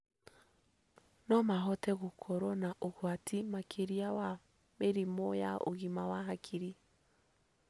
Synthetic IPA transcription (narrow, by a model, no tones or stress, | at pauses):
nɔmaɦɔtɛɣokʰɔɾɔnaʔoɣwatʰimakʰeɾiawa | meɾimɔja̰ʔo̰ɣimawaɦakʰiɾi